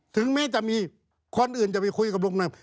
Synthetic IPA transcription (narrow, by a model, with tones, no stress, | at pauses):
t̪ʰɯ˨˦ŋmɛː˦˥˨t͡ɕa˨˩ʔmiː˧ | kʰo˧nʔɯː˨˩nt͡ɕa˨˩pa˧jkʰu˧jka˨˩p̚lu˧˥˩k̚na˧˩